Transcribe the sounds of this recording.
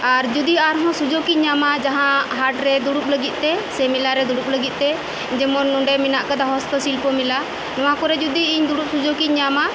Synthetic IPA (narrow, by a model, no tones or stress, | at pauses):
aɾd͡ʒud̪iaɾɦɔ̃sud͡ʒokiɲamad͡ʒaɦãɦaʈɾɛd̪uɽup̚ləɡit̪̚ˀt̪ɛsɛmilaɾɛd̪uɽup̚ləɡit̪̚ˀt̪ɛ | d͡ʒɛmɔnːɔɖɛminaʔkad̪aɦɔst̪ɔsilpɔmila | nɔwakɔɾɛd͡ʒud̪iːɲd̪uɽup̚sud͡ʒokicɲama